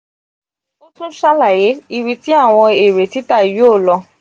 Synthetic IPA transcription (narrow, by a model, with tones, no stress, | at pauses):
o˦tũ˦ʃa˦la˦˨je˨˦i˧wi˧ti˦a˦˨w̃ɔ̃˧e˨ɾe˨ti˨˦ta˦˨jo˦˨lɔ˧